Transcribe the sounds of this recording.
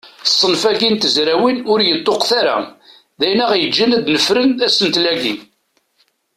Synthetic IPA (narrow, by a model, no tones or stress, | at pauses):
sˤːənfæɡint̪əzɾæwinʊɾjət̪ˤːoqθaɾa̰ | ðæjnæʁjəd͡ʒːinæd̪nəfɾənæsənt̪læɡḭ